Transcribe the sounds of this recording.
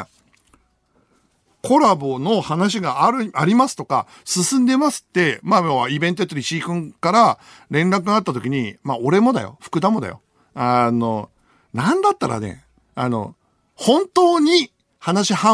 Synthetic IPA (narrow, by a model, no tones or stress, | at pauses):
kʰo̞ɾabo̞no̞hanaɕ̬iɡaɾaɾʲimasɨ̥t̪oka̰ | sɨsɨ̃nd̪e̞masɨ̥t̪ːe̞maoaibẽ̞nt̪oet̪ːoɾʲiɕiːkɯ̟̃ŋkaɾa | ɾẽ̞nɾak̬ɯ̟ɡat̪ːat̪o̞kʲiɲ̟imao̞ɾe̞mo̞d̪a̰jo̞̰ɸɯ̥kɯ̟d̪amo̞d̪a̰jo̞̰ | ano̞ | nãnd̪at̪ːaɾa̰ne̞̰ | ano̞̰ | hõ̞nt̪o̞ːɲ̟i | hanaɕihã